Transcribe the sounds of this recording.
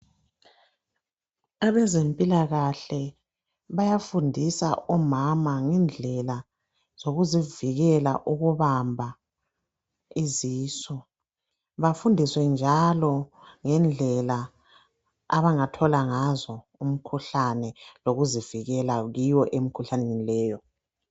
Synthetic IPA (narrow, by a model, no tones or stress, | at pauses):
aβɛzempʼilaɣaɬɛ | βajafundʱisa̰ʔɔmamaŋɛnd͡ɮʱɛla | z̥oɣuziviɣɛla̰ʔuɣuβambʱa | iziːsɔ | βafundʱiswɛnd͡ʒʱalɔŋɛnd͡ɮʱɛla | aβaŋatʰɔlaŋazɔ | um̩kʰuɬanɛloɣuziviɣɛlaɣiwɔʔemikʰuɬanenilɛːjɔ